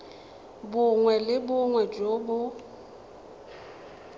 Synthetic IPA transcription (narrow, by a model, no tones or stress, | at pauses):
bʊŋwɛlɪbʊŋwɛd͡ʒoːbʊ